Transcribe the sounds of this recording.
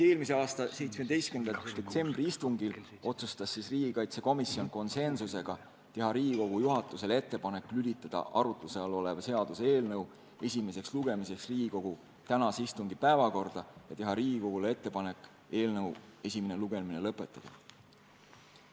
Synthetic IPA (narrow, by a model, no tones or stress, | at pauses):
e̞ːlmise̞ɑːst̪ɑse̞jt̪smed̪e̞jst̪kynd̪ɑd̪̥e̞t̪se̞mbriist̪uŋɡ̥il | o̞t̪sust̪ɑsːisriːɡ̥ikɑjt̪seko̞misːio̞nko̞nse̞nsuse̞ɡ̥ɑ | t̪e̞ɦɑɾiːɡiko̞ɡ̥ujuɦɑt̪ːˑuse̞le̞t̪ːˑe̞pɑne̞kːˑlylʲit̪ːˑɑd̪̥ɑ̰ʔɑɾut̪ˑluseɑlo̞le̞vɑse̞ɑd̪̥usee̞ːlnɤw | e̞sʲime̞se̞ksluɡ̥e̞mise̞ksriːɡiko̞ɡ̥u | t̪ænɑseist̪uŋɡ̥ipæevɑko̞rd̪̥ɑjɑt̪e̞ɦɑɾiːɡ̥iko̞ɡ̥ulee̞t̪ːe̞pɑne̞kːˑ | e̞ːlnɤwe̞sʲime̞neluɡ̥e̞mine̞lɤpːˑet̪ːˑɑd̥̪ɑ̰